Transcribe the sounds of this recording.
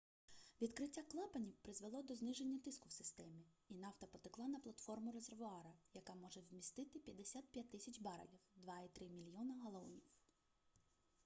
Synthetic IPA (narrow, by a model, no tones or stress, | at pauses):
ʋʲid̪kɾɪtʲːaklˠɑpɐnʲiwpɾɪzʋelˠɔd̪ɔznɪʒe̞nʲːɐt̪ɪskʊwsɪ̥st̪ɛmʲiinɑwt̪ɐpɔt̪ɪklˠɑnɐplˠɐt̪fɔrmʊɾezerʋʊɑɾɐjɐkɑmɔʒɛwmʲist̪ɪt̪ɪpʲjɐd̪esʲat̪̚pʲjat̪ːɪsʲɐt͡ʃʲbɑɾɐ̰lʲiwd̪ʋɑit̪ɾɪmʲilʲjɔnɐɦɐlˠɔṵnʲiw